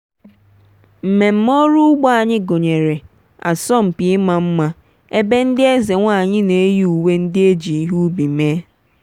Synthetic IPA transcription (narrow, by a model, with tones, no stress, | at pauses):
m̩˨me˨m̩˦mɔ˦ɾu˦ʊ˦ɡ͡ba˦a˨ɲɪ˦ɡo˨ɲe˨ɾe˨ | a̰˨sɔ˦˨m̩˨pɪ˨ɪ˦ma˨m̩˦ma˦ | e˦be˦n̩˦dɪ˦e˦ze˨ŋʷa˦˨ɲɪ˦ne˨e˦ju˦u˨we˦n̩˦dɪ˦e˦d͡ʒi˨i˦ɦu˦bi˨me˦